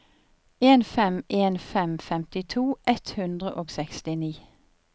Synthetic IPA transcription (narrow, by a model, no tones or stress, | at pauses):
eːnfɛmʔeːnfɛmfɛmt̪ɪt̪ʰuːʔɛt̪hʉnd̪ʁəʔoːɡsɛkst̪ɪniː